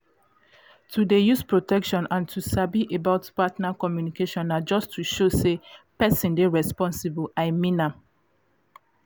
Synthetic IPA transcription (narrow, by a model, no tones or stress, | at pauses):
tʰudejuspɹotɛkʃɔ̃nãntʰusabiʔebaʊtpatnakɔmjunikeʃɔ̃nad͡ʒɔstʰːuʃosepɛsĩndeɹɛspɔ̃nsibaɪmĩna